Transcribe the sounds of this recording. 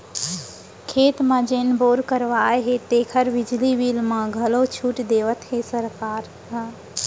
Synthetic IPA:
kʰeːt̪mãd͡ʒeːnboːɾkəɾʋaeɦet̪eːkʰəɾbɪd͡ʒliʋilmãɡʱəlot͡ʃʰuːʈd̪eːʋət̪ɦesəɾkaːɾ | ɦ

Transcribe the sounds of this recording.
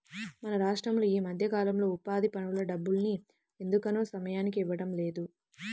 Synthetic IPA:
mɐnɐɾaːʂʈɾɐmloːiːmɐd̪ʱjɐkaːlɐmlo̞ːupaːd̪ipɐnulɐɖɐbːulni | e̞nd̪ukɐnoːsɐmɐjaːnikiiʋːɐɽɐmle̞ːd̪u

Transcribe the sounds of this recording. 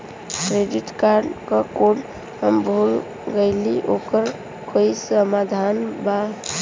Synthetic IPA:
kɾeɖiʈkaɾɖkəkoɖ | ɦəmbʱul | ɡəjliʔokəɾ | kʰojsəmad̪ʱanba

